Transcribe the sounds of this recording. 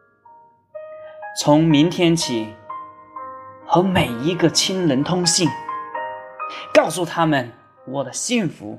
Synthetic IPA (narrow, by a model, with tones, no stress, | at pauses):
t͡sʰʊ˧˥ŋmi˧˥ŋt̪ʰjɛ˥nt͡ɕʰi˨˩˦ | xɤ˧˥me˨˩ɪi˧˥ɡə˧t͡ɕʰi˥nlə˧˥nt̪ʰʊ˥ŋɕi˥˩ŋ | kɑ˥˧ʊsu˥˩t̪ʰa˥mə˨˩n | wɔ˨˩d̪ə˦ɕi˥˩nfṵ˧˥